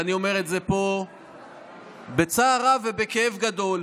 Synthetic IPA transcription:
anio̞me̞ʁetze̞po̞ | bet͡saːʁave̞bekeevɡad̪o̞l

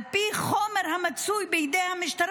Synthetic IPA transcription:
piːχɔməɾhamat͡sujbɪjɪdeːhamɪʃtɐɾ

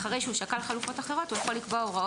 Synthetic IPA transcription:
χaʁe̞jʃeuʃakalχalufo̞t̪aχe̞ʁo̞t̪ujaχo̞likboaoʁao

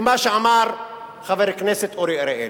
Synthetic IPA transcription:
maʃeamaɾ | χaveɾekneset̪oɾiɾeʔe

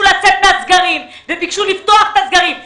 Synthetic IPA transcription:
ulat͡set̪̚meazɡaʁim | vebikʃulift̪o̞aχet̪azɡaʁim

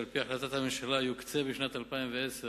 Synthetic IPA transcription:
lpiaħlat̪at̪hamɪnʃalajukt͡sebeʃnat̪alpainveʔɛs

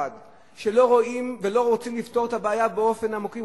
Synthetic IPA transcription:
ad | ʃe̞lo̞ʁo̞imve̞lo̞ʁot͡simlift̪o̞ʁet̪abaːjabeo̞fe̞namoki

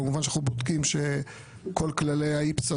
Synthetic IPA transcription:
emuvanʃaχubod̪kimʃe | ko̞lklalejaipt͡sa

